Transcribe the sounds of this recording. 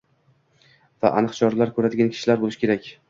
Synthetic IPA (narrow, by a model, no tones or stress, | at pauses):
va̰ʔanɨqt͡ʃʰɒɾlaɾkʰɵɾad̪ɪɡʲankʰʲɪ̥ʃɪlaɾbolˠɪʃkʲʰe̞ɾakʲ